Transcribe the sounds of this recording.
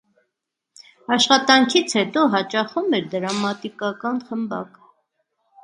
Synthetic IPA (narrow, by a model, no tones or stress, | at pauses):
ɑʃχɑt̪ɑŋkʰit͡sʰhɛt̪ɔɦɑt͡ʃɑχumɛɾd̪əɾɑmɑt̪ikɑkɑnχəmbɑ̰k